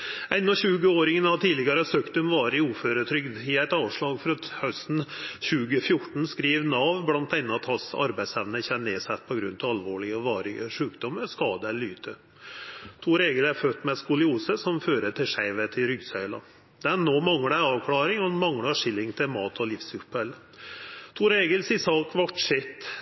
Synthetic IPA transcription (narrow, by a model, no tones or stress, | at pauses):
ɛnːɔɕʉːɡəoːɾɪŋənɑʋt̪ʰiːlɪɡɑɾəsøːkt̪ʉmʋɑːɾɪuːføːɾət̪ʰɾʏɡd̪ɪæɪt̪ɑːʋʂɭɑːɡfɔɾɑt̪hœst̪n̩ɕʉːɡəfjʊʈɳ̩skɾiːʋnɑʋblɑnt̪̚ɛnːəɑt̪hɑsɑ̰ɾbæɪsɛʋnəçɛnneːsɛt̪ːpʰɔɡɾʉnːt̪ʰɑɑlʋoːɭɪəɔʋɑːɾɪəʂʉːkd̪ɔmːəskɑːd̪əɛllːyːt̪ʰə | t̪ʰuːɾeːɡəlæɾfœt̪ːmɛskʊlɪuːsəsɔmføːɾəʈʰɪʂæɪʋət̪ʰɪlɾʏɡsœʏlɑ̰ | d̪̥ɛnːoːmɑŋɽəæɑːʋkʰlɑːɾɪŋɔnmɑŋːlɑʂɪlːɪŋt̪ʰɪlmɑːt̪ʰɔlɪfsʉpəl | t̪ʰuːɾeːɡəlsɪsɑːkʰʋɑʈʂɪt̪ː